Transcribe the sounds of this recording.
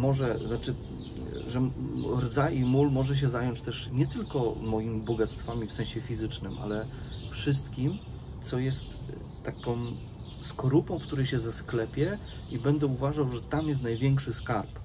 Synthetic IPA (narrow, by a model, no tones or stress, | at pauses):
mɔʐɛznat͡ʂɘ | ʐɛɾd̪zaʔimulmɔʐɛɕ̬ɛzajɔɲt͡ɕt̪ɛʂɲɛt̪ɘlkɔmɔjimʲibɔɡat̪st̪famʲifsɛ̃ɕɛfʲizɘt͡ʂnɘmʔa̰lɛ | fʂɘs̬t̪kʲim | t̪sɔjɛst̪ː | akɔ̃w̃ | skɔɾupɔ̃w̃fkt̪uɾɛjɕɛzasklɛpʲjɛ | ibɛnd̪ɛuvaʐawʐɛt̪amjɛst̪najvʲjɛŋkʂɘskaɾp